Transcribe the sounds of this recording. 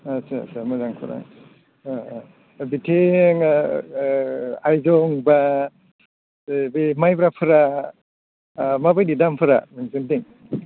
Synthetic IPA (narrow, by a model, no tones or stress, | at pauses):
asa̰samazaŋpʰɯ̰ɾa̰ | bitʰeŋ | ajzɔŋba | bemajbɾapʰɯɾa | mabajdidampʰɯɾa̰maŋzindiŋ